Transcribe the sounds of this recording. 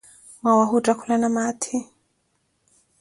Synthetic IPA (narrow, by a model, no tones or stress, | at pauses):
wawaɦutʼakʰulanamatʰi